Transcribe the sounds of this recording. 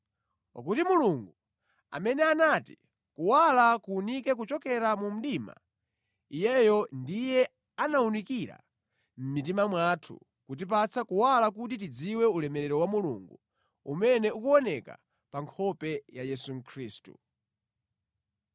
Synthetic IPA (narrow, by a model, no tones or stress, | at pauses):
pa̰k̬utimuluŋɡu | a̰mɛnɛanati | kuwalakuːnikɛk̬ut͡ʃɔkɛɾamum̩ɗima̰ | ijɛjɔndijɛ | anaunikiɾa̰ | m̩mit̬imamwatʰṵ | kut̬ip̬at͡sʰakuwalak̬ut̬it̬id͡ziwɛulɛmɛɾɛɾɔwamulṵŋɡu | umɛnɛukuɔnɛka̰ | paŋkʰɔpɛjajɛsuŋ̩kʰɾiːstṵ